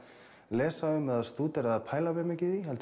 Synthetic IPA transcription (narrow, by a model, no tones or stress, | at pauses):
lɛːsaʏmːɛðaðst̪uːt̪ɛɾaðapʰaːjlavɛmɛcɪðiɦɛlt̪